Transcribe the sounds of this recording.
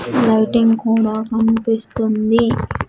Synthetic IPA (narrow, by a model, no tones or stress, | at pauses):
lɐjʈiŋɡkuːɽaːkɐmpist̪und̪i